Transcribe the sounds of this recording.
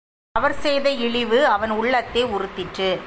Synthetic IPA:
ɐʋɐɾsɛjðɐɪɭɪʋɯɐʋɐnʊɭːɐt̪ːeːʊɾɯt̪ːɪʈrɯ

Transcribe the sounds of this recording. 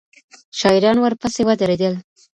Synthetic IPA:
ʃɑɪɾɑnwəɾpəsewad̪əɾed̪əl

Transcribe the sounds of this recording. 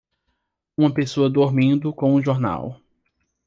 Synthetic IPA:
ũmɐpesoɐd̪oɾmĩnd̪ʊkõw̃ũʒoɾna̰w

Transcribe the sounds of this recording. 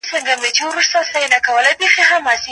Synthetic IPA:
səŋɡamet͡ʃiwɾust̪aslainakawəlajpexeɦamɑsi

